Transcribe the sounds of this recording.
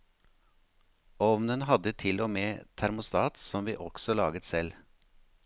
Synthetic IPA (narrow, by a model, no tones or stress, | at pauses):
ɔʋnənhɑd̪ət̪ʰɪlomeːt̪ʰæɾmʊst̪ɑːt̪sɔmʋiːʔɔksɔlɑːɡət̪sɛl